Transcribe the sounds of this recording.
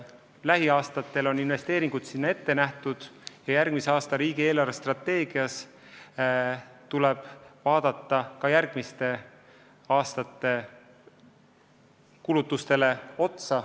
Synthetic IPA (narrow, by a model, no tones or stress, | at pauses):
læɦiɑːst̪ɑt̪ːe̞lo̞ninve̞st̪e̞ːɾiŋɡ̥ud̪̥sinːɑe̞t̪ːe̞næht̪ud̪̥jɑjærɡ̥miseɑːst̪ɑɾiːɡ̥ie̞ːlɑrvest̪rɑt̪ːe̞ːɡ̥iɑs | t̪uleb̥vɑːd̪̥ɑt̪ːɑkɑjærɡ̥mist̪e̞ | ɑːst̪ɑt̪ːˑe̞ | kulut̪ːˑust̪e̞le̞o̞t̪sɑ